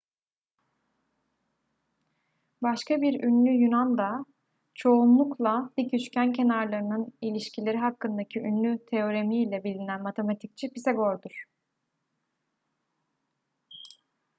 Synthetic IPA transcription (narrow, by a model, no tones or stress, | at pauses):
baʃkabiɾynlʲyjynand̪a | t͡ʃʰo̞unlˠuklˠalicʰyt͡ʃcæncʰe̞naɾlˠaɾɯnɯnilʲiʃcʰilʲe̞ɾiɦakːɯnd̪acʰiʔynlʲyt̪ʰe̞o̞ɾe̞miilʲɛbilʲinænmat̪ʰe̞mat̪ʰic̚t͡ʃʰɛpiseɡo̞ɾd̪uɾ̥